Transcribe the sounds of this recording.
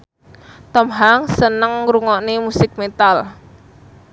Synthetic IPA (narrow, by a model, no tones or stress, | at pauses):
t̪ɔmɦaŋsənəŋɾuŋɔnemusɪk̚met̪al